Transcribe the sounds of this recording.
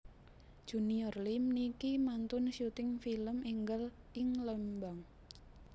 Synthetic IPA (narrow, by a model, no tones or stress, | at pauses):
ʒ̥uniɔrlimnikimant̪ʊnʃut̪ɪŋfiləmʔiŋɡəl | ɪŋləmbaŋ